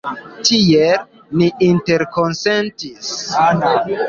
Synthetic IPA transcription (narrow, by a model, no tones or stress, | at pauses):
tiel | niʔinte̞ɾkonsentis